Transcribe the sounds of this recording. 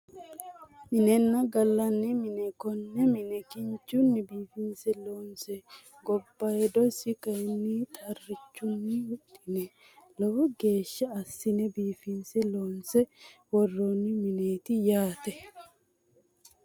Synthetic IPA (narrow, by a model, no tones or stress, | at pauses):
mɪnɛnːɐɡɐlːɐnːɪmɪnɛkɔnːɛmɪnɛkɪɲt͡ʃːʊnːɪbiːfɪnsɛloːnsɛ | ɡɔbːɐjɛd̪ɔsɪkɐnːit̪ʰɐrːɪt͡ʃːʊnːɪwʊt̪ʼːɪnɛ | lɔwɡe̞ːʃːɐɐsːɪnɛbiːfɪnsɛloːnsɛwɔrːoːnːɪmɪneːt̪ɪjaːt̪ɛ